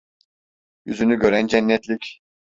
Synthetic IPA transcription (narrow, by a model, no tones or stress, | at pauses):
jyzynyɟø̞ɾænd͡ʒɛnːɛt̪lʲic